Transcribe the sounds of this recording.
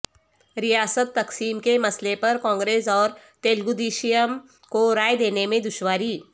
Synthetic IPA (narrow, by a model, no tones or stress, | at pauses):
ɾɪjaːsət̪ːɐksiːmkemɐslepɐɾkãːŋɡɾeːsɔːɾ | t̪eːlɡʊd̪iːʃijəm | koɾaːjd̪eːnemẽd̪ʊʃwaːɾiː